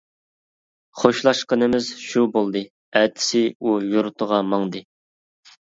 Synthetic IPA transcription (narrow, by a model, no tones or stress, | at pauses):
χoʃlˠɑʃqənɨmɪzʃubolˠd̪ɨ | ɛt̪ʰɪ̥sɪujuɾt̪ʰəʁɑmɑŋd̪ɨ